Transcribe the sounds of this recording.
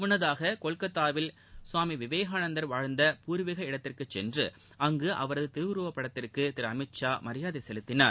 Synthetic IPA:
mʊnːɐðaːɣɐkɔɭkɐt̪ːaːʋɪl | swaːmiʋɪʋeːɣaːnɐnd̪ɐɾʋaːɻnd̪ɐpuːɾʋɪɣɐɪɽɐt̪ːɪrkɯt͡ʃːɛ̰ndrɯ̰ | ʔɐŋɡɯʔɐ̰ʋɐɾɐðɯt̪ɪɾɯʋɾuːʋɐpːɐɽɐt̪ːɪrkɯt̪ɪɾɐmɪʈt͡ʃaːmɐɾɪjaːðɐɪsɛlɯt̪ːɪnaːɾ

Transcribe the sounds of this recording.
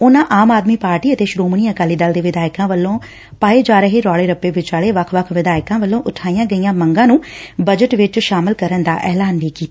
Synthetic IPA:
ʊnãːʔaːmaːd̪miːpaːɾʈiːət̪eːʃɾoːmɳiːəkaːliːd̪əld̪eːʋɪd̪aːɪkãːʋəlːõː | paːeːd͡ʒaːɾəɦeːɾɔːɭeːɾəpːeːʋɪt͡ʃaːɭeːʋəkʰʋəkʰʋɪd̪aːɪkãːʋəlːõːʔʊʈʰaːijãːɡəijãːməŋɡãːnũːbəd͡ʒəʈʋɪt͡ʃʃaːmɪlkəɾənd̪a̰ːʔɛːlaːnʋiːkiːt̪a

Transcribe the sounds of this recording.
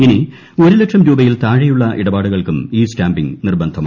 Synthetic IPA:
ini | o̞ɾulekʂɐmɾuːbɐjilt̪aːɻɐjuɭːɐʔiɽɐbaːɽuɣɐɭkumiːsʈaːmbiŋnirbɐnd̪ʱɐma

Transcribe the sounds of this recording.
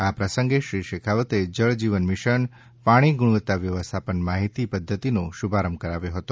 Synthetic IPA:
apɾəsəŋɡeʃɾiʃekʰaʋət̪ed͡ʒəɭd͡ʒiʋənmɪʃəɳ | paɽ̃iɡuɽ̃ʋət̪ːaʋjəʋəst̪ʰapənmaɦit̪ipəd̪ʱːət̪inoʃubʱaɾəmb̚kəɾaʋjoɦət̪o

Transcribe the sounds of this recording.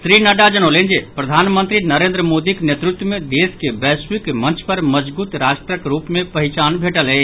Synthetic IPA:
sɾinəɖad͡ʒənolend͡ʒepɾɐd̪ʱanmənt̪ɾinəɾeːnd̪ɾəmod̪iknet̪ɾut̪wəmed̪eskebɛswikmənt͡ʃʰpəɾməd͡ʒbuːt̪ɾaʃʈɾəkɾupmẽpəɦit͡ʃanbʱeʈəlɦɛ

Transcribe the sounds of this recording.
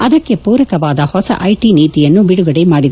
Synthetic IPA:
ɐd̪ɐkːepuːɾɐkɐʋaːd̪ɐhɔsɐ̰ʔɐjʈiniːt̪ijɐnːubiɽuɡɐɽemaːɽid̪

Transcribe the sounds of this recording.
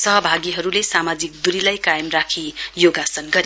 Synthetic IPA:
sʌɦʌbʱaɡiɦʌɾulesamad͡zik̚d̪uɾilajkajmrakʰijoɡasʌnɡʌɾi

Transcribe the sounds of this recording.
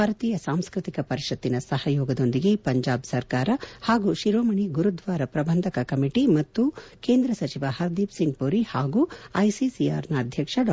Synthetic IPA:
bʱaːɾɐt̪iːjɐsaːmskɾit̪ikɐpɐɾiʃɐt̪ːinɐsɐhɐjɔːɡɐd̪o̞nd̪iɡe̞pɐɲd͡ʒaːbsɐɾkaːɾɐhaːɡuːʃiɾoːmɐɳiɡuɾud̪ʋaːɾɐpɾɐbʱɐnd̪ʱɐkɐkɐmiʈimɐt̪ːukeːnd̪ɾɐsɐt͡ʃiʋɐhɐɾd̪iːpsiŋɡpuɾihaːɡuːɐjsisia̰ːɾnɐːd̪ʱjɐkʂɐɖ

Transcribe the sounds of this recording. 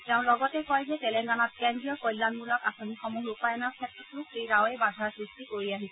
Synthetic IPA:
tɛʊ̃lɔɡɔtɛkɔjzɛtɛlɛŋɡanɔt̚kɛndijɔkɔjlːanmulɔkasonixɔmuɦupajɔnɔɹkʰɛtɹitlukeɹawɛbadʱaɹsɹistikoɹiaɦisɛ

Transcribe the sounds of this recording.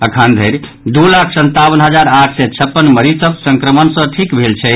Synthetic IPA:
əkʰənd̪ʱəɾ | d̪ulakʰsənt̪abənɦəd͡ʒaɾaʈʰsɛt͡ʃʰəpːənməɾisəbsəŋkɾəmənsə̃ʈʰikbʱelt͡ʃʰɛ

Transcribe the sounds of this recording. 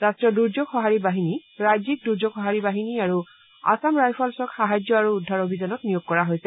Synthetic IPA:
ɹastɹɔduɹd͡ʒoɡxɔɦaɹibaɦiniɹajzik̚duɹzoɡxɔɦaɹibaɦiniaɹu | a̰samɹajpʰɔlsɔkxaɦad͡ʒjɔaɹuːdʱːaɹobʱizɔnɔt̚nijoɡ̚kɔɹaɦojsɛ

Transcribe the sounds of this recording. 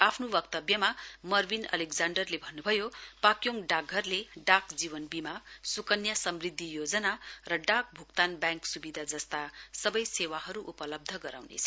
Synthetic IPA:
apʰnubʌkt̪ʌbjʌmamʌrbinʌ̰lekd͡zaɳɖʌrlebʱʌnːubʱʌjopakjoŋɖaɡʱːʌrleɖakd͡ziβʌnbimasukʌnjasʌmrid̪ʱːijod͡zʌnarʌɖak̚bʱukt̪anbjãŋksubid̪ʱad͡zʌst̪asʌbʌjsewaɦʌɾuʔupʌlʌb̚d̪ʱʌɡʌɾa̰wnḛt͡sʰʌ̥

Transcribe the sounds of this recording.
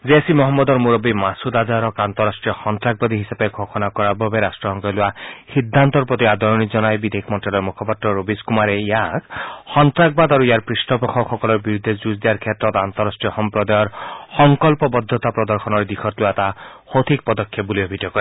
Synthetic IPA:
zeasimɔɦɔmːɔd̪ɔɹmuɾɔbimasud̪azaɾɔkant̪ɔɾasʈɹijɔxɔnt̪ɾaɡ̚bad̪iɦisapeɡʱoxɔnakɔɹababeɾasʈɔsɔŋkɔlʊaxid̪ʱːant̪ɔɾpɔt̪iad̪ɔɹɔnizɔnajbid̪ʱekʰmɔnʈalɔɹmukʰɔpat̪ɾɔɾobiskumaɾeijakxɔnt̪ɾak̚bad̪aɾuijaɹpɹisʈɔpɔxʰɔkxɔkɔlɔɹbiɾud̪ʱːezuzd̪ijaɾkʰet̪ɾɔt̪ant̪ɔɾasʈɹijɔxɔmpɾɔd̪ajɔɾxɔŋkɔlpɔbɔd̪ʱːɔt̪apɾɔd̪ɔɾxʰɔnɔɹd̪ikʰɔt̪loat̪axot̪ʰik̚pɔd̪ɔkʰːjep̚buliɔbʱit̪jɔkɔɾe

